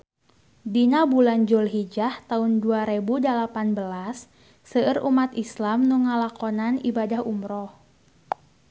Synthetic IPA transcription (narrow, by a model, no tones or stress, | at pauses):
dinabuland͡ʒulɦid͡ʒaht̪aʊnduaɾebudəlapanbəlasː | əərumat̪islamnuŋalakɔnanibadahumɾɔh